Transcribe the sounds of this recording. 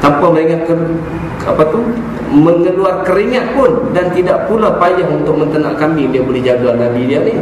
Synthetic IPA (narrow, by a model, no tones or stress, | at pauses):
t̪ampaməɾiŋat̪̚kə | a̰pat̪u | məŋəluarkəɾiŋat̪̚pʊndant̪idaʔpulapajaɦunt̪ʊk̚mənt̪ənaʔkamidiabolɛhd͡ʒaduanandidiani